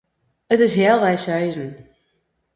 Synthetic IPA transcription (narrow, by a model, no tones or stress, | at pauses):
ətɪsɦɛːlˠʋɛjsœɥzən